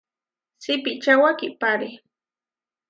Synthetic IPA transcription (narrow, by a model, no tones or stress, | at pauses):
sɪpit͡ʃawakipaɾi